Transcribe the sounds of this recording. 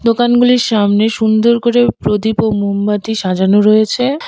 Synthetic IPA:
d̪okanɡuliɾʃamneʃund̪oɾkoɾepɾod̪ipomumbat̪iʃad͡ʑanoɾojet͡ɕʰe

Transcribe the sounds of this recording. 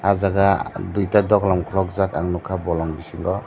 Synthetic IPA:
azaɡadujtadɔklamkʰlɔk̚zakaŋnukʰabɔlɔŋbisiŋɡɔ

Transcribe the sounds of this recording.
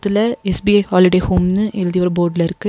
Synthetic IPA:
t̪ːɪlɐɛsbiɐjhaːlɪɽehoːmnɯʔɛlɯd̪iʋɐɾboːɾɖɪlɪɾɯkːɯ

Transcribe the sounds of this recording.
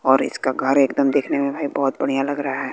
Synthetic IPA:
ɔːɾɪ̰skaɡʱɐɾeːkd̪əmd̪eːkʰnemẽbʱaːibɔːʊt̪̚bɐɽ̃ijalɐɡɾɐɦaɦɛː

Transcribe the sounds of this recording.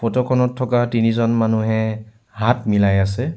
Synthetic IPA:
pɔtɔkʰɔnɔtʰːɔkatinizɔnmanuɦɛ | ɦatmilajasɛ

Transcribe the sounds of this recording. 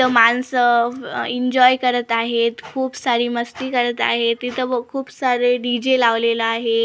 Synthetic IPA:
t̪əmansəiɲd͡ʑɔjkəɾət̪aɦet̪kʰuːpsaɾiːməst̪iːkəɾət̪a̰ɦet̪it̪ʰəəkʰuːpsaɾeɖid͡ʑelaʋleləaɦe

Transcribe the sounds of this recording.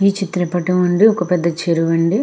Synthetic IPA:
iːt͡ʃit̪ɾɐpɐʈɐmɐɳɖiɔkɐpɛd̪ːɐt͡ʃeɾuʋɐɳɖi

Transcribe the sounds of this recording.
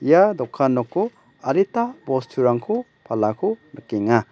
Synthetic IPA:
jadɔkʰːanːɔkʰu | aɾitabɔstʰuɾaŋkʰu | pʰalakʰunakeŋa

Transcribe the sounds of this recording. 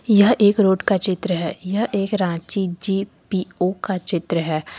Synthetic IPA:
jɐɦeːkɾoːʈkat͡ʃɪt̪ɾəɦɛːjɐɦʔeːkɾãːt͡ʃid͡ʒiːpiːoːkat͡ʃɪt̪ɾəɦɛː

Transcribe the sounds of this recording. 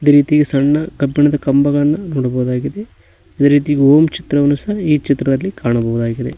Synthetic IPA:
id̪eɾiːt̪iɡesɐɳːɐɡɐbːiɳɐd̪ɐkɐmbɐɡɐɭɐnːɐnoːɽɐbɐʋud̪aːɡid̪e̞ | id̪eɾiːt̪̬iɡeoːmt͡ʃi̥t̪ɾɐʋɐnːusɐɦɐiːt͡ʃit̪ɾɐd̪ɐlːikaːɳɐbɐʋud̪aːɡid̪e

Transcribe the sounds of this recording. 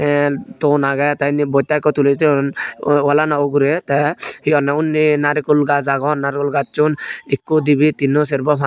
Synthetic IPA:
ɛt̪ɔnaɡat̪ajnibɔjt̪ːajkːɔt̪ulet̪inwɔlanaoɡuɾet̪ɛhiɔnɛunːinaɾikulɡazaɡɔnːaɾikulɡat͡ʃunikːud̪ibit̪inːɔs̬eɾbɔpʰa

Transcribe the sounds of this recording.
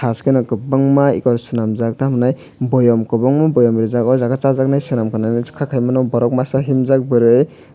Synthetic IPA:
askenɔkɯbaŋmaḭkɔɾsinamzak̚tamnaj | bɔjɔmkɯbɔŋmabɔjɔmɾizakɔzaɡat͡ʃazak̚najsɯnamkʰɯnanɯkʰakʰajmanɔwbɔɾɔk̚masaɦimzak̚bɯɾɯj

